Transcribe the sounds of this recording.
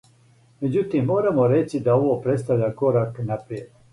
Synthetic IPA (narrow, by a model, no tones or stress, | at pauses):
med͡ʑut̪imːoːɾamoɾet͡ʃid̪aoʋopɾet̪st̪aʋʎʲakoɾaknapɾijet̪